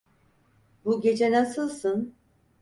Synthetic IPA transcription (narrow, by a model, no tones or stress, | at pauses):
buɟe̞d͡ʒenasɯlˠsɯn